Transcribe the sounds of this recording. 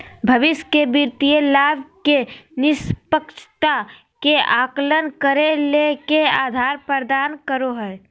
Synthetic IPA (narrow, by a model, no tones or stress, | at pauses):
bʱəʋɪʃkebiɾt̪ielaːbkenɪspəkʃʰt̪a | keaːklənkəɾelekeaːd̪ʱaːɾpəɾd̪aːnkəɾoɦɛɛ